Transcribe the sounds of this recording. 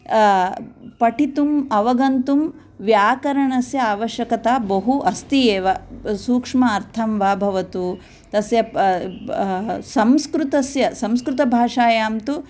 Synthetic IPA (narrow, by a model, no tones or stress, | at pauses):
pɐʈʰit̪umɐʋɐɡɐnt̪um | ʋjaːkɐɾɐɳɐsjɐaːʋɐʃjɐkɐt̪aːbɐɦuʔɐst̪ijeːʋɐsuːkʂmɐːɾt̪ʰɐmʋaːbʱɐʋɐt̪u | t̪ɐsjɐ | sɐmskɾut̪ɐsjɐsɐmskɾut̪ɐbʱaːʂaːjaːmt̪u